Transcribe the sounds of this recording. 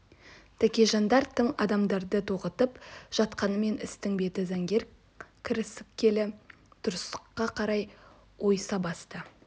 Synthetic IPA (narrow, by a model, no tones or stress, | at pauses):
t̪ʰækʲeʒɑnd̪ɑɾt̪ːəɴɑ̰d̪ɑmd̪ɑɾd̪ət̪ʰoʁət̪əpʒ̥ɑt̪qɑnəme̞nɪ̰st̪ɪŋbe̞t̪ɪzæŋɡʲe̞ɾ | kʲʰɪɾɪsɪp̚kʲʰe̞lɪ | d̪̥ʊɾəst̪ə̥qːɑqʰɑɾɑj | wʔo̞jsɑbɑst̪ə